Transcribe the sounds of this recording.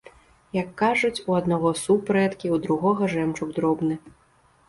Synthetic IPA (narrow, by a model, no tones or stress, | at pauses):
jɐkːaʐut͡sʲuad̪naɣɔsupɾɛt̪kʲiud̪ɾuɣɔɣɐʐɛmt͡ʂuɡd̪ɾɔbnɨ